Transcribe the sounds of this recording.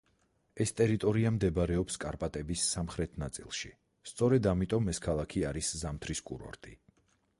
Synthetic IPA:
ɛst̪ʼɛɾit̪ʼɔɾiamd̪ɛbaɾɛɔpskʼaɾpʼat̪ʼɛbisːamχɾɛt̪ʰnat̪sʼḭlˠʃi | st̪sʼɔɾɛd̪amit̪ʼɔmɛskʰalˠakʰiaɾiszamt̪ʰɾiskʼṵɾɔ̰ɾt̪ʼi

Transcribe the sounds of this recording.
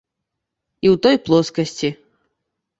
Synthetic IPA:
iwt̪ɔjplˠɔskɐsʲt͡sʲi

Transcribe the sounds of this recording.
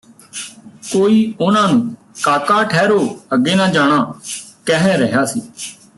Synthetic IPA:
koːiːʊnãːnũː | kaːkaːʈʰɛːɾoːəɡeːnãːd͡ʒaːɽ̃aːkɛɦɛ̃ːɾəɦjaːsḭː

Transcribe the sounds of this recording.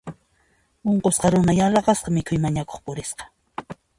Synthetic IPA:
oɴqosqɑɾʊnajɑɾɑɢɑsqɑmɪkʰʊjmaɲako̥χpʊɾɪsqɑ̥

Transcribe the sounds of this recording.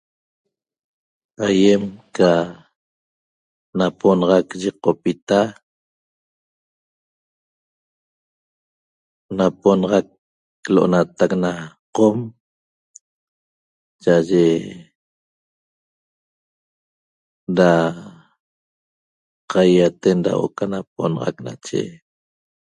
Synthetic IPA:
ajemka | naponɑʁɑkʒiqːopit̪a | naponʁɑk | loʔo̰nat̪aknaqom | t͡ʃaʔʒe | ɾa | qʰajat̪enda̰ʔo̰kanap̚onʁɑ̰kna̰t͡ʃḛ

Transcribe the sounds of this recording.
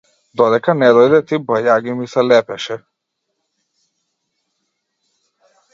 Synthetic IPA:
d̪ɔd̪ɛkanɛd̪ɔjd̪ɛt̪ibəjaɡimisɛlɛpɛʃɛ

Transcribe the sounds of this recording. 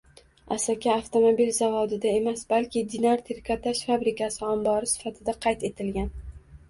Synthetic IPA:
asakʲʰaːft̪ʰomobilzavɒd̪ɪd̪ae̞masbalkʲʰɪd̪ɪnaɾt̪ʰeɾkʰat̪ʰaʃfabɾɪkʲʰasɪambɒɾɪsɪ̥fat̪ʰɪd̪aqʰɑjt̪e̞t̪ʰɪlɡʲan

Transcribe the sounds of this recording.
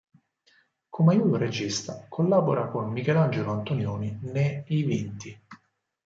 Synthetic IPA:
kʰomajuːt̪oɾed͡ʒist̪akʰolːaːboɾakonmikɛland͡ʒeloant̪onjoːnineivint̪i

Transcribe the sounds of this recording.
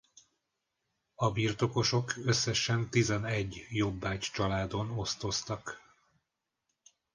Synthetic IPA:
ɒbirt̪o̞ko̞ʃo̞kø̞sːɛʃɛnt̪izɛnɛɟːjo̞bːaːct͡ʃɒlaːd̪o̞no̞st̪o̞st̪ɒk

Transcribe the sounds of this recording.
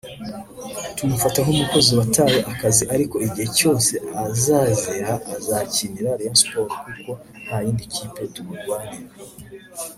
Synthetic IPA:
tumufataɦomuko̞ziwatajeʔakaziʔaɾiko̞iɟihe̞co̞ːse̞azazeɾaʔːzaciniɾaɾjanspoɾkuɾiɡo̞ | n̥hajiːndikʰipetumuɾɡwaːniɾa

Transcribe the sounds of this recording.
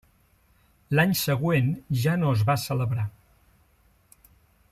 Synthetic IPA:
laɲsəɣwenʒanoəzβasələβɾa

